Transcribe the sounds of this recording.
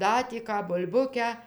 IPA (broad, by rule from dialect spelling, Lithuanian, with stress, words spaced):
ˈdɐ tʲiː ˈkɑː bʊlʲˈbʊkʲæː